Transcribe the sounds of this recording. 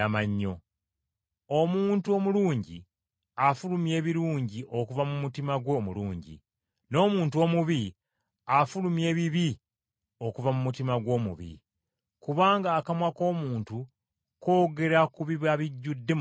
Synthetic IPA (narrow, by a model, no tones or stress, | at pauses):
amaɲːo̞ | o̞muːntuo̞muluːɲɟi | afulumje̞ːβiɾuːɲɟiʔo̞kuvamumutimaɡwoːmuluːɲɟḭ | no̞ːmuːntuo̞ːmuβi | afulumje̞ːβiβi | o̞kuvamumutimaɡwo̞ːmṵβḭ | kuβaːŋɡaːkamwako̞ːmuːntu | ko̞ːɡe̞ɾakuβiβaβiɟːudːe